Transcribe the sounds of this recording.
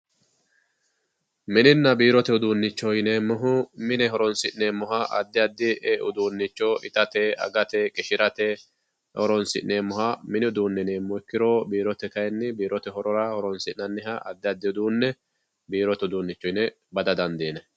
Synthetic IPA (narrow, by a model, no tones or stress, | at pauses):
mɪnɪnːɐbiːɾɔt̪ɛʊd̪uːnːɪt͡ʃːɔjnɛmɔɦʊmɪnɛɦɔɾɔnsɪʔneːmɔɦɐʔɐ̰d̪ːɪɐd̪ːɪʔɛʔʊd̪uːnːɪt͡ʃːɔɪt̪ɐt̪ɛɐ̰ɡɐt̪ɛkʼɪʃɪɾɐt̪ɛ | hɔɾɔnsɪ̰ʔneːmːɔɦɐmɪnɪʊd̪uːnːɛneːmːɔjkːɪɾoːbiːɾɔt̪ɛkɐjɛnːɪbiːɾɔt̪ɛɦɔɾɔɾɐhɔɾɔnsɪʔnɐnːɪɦɐɐd̪ːɪɐd̪ːɪʊd̪uːnːɛ | biːɾɔt̪ɛʊd̪uːnːɪt͡ʃːɔjnɛ | bɐd̪ɐd̪ɐnd̪eːnɛ